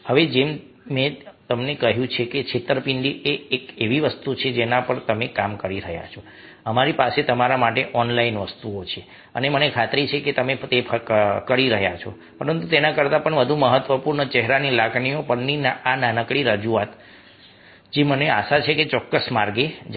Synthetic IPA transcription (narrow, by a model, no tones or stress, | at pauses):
həʋed͡ʒem | mẽt̪əmnekəɦjũt͡ʃʰeket͡ʃʰet̪ɾəpiɳɖiʔeekeʋiʋəst̪ut͡ʃʰed͡ʒenapəɳt̪əmekamkəɾiɾəɦja̰t͡ʃʰɔ | əmaɾipaset̪əmaɾamaʈeʔɔnlainʋəst̪uot͡ʃʰe | ənemənekʰat̪ɾit͡ʃʰeket̪əmet̪epʰkəɾiɾəɦjat͡ʃʰɔ | pəɾənt̪ut̪enakəɾt̪apəɳʋəd̪ʱũməɦət̪ʋəpuɾɳət͡ʃɛɦɾanilaɡɳiopəɾninaananəkɽiɾəd͡ʒuat̪ | d͡ʒemənea̰ʃat͡ʃʰeket͡ʃɔkːəsmaɾɡed͡ʒ